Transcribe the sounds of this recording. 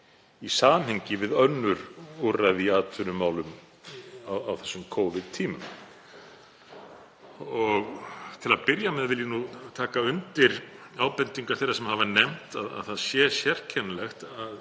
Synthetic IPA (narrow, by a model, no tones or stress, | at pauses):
isaːnɦejɲcɪvɪðœnːʏɾuraðiaːt̪ʰʏɾʏmaːwlʏm | awawθɛ̥sːʏmkʰoːwvɪðt̪ʰiːmʏm | ɔɣt̪ʰɪlaðpɪɾjamɛðvɪljanut̪ʰaːkaʏnt̪ɪɾaːwpɛnt̪iŋkaɾ̥θejɾaɾsɛmhavanɛm̥t̪aða̰ðθaðsjɛːsjɛr̥cʰɛnlɛxt̪að